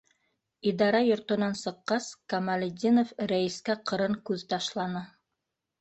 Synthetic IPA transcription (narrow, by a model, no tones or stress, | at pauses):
id̪ɑɾɑjŏɾt̪ŏnɑnsɤ̆qːɑskɐmalʲɪd̪ʲinofɾæiskæqɤ̆ɾɤɴkʉðt̪ɑʃlˠɑnɤ